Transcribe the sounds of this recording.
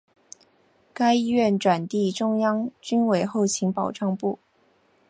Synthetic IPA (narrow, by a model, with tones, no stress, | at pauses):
ka˥ɪi˥ɥɛ˥˩nʈ͡ʂwa˨˩nt̪i˥˩ʈ͡ʂʊ˥ŋjɑ˥ŋt͡ɕy˥nwe˨˩ɪxo˥˩ʊt͡ɕʰi˧˥ŋpɑ˨˩ʊʈ͡ʂɑ˥˧ŋpu˥˩